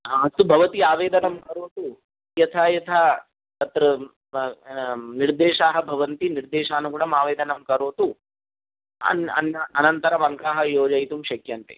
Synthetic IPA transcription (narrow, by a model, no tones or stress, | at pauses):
ɐst̪ubʱɐʋɐt̪iaːʋeːd̪ɐnɐmkɐɾoːt̪u | jɐt̪ʰaːjɐt̪ʰaː | t̪ɐt̪ɾɐ | niɾd̪eːʃaːɦɐbʱɐʋɐnt̪iniɾd̪eːʃaːnukuːɽɐmaːʋeːd̪ɐnɐmkɐɾoːt̪u | ɐ̰nɐ̰nɐɐnɐnt̪ɐɾɐmɐŋkaːɦɐjoːd͡ʒɐjt̪umʃɐkjɐnt̪ḛ